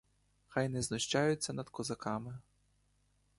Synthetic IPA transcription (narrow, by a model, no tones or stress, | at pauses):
xɑjnɛznɔʃt͡ʃɑjʊt͡sʲːɐnɐd̪̥kɔzɐkɑmɪ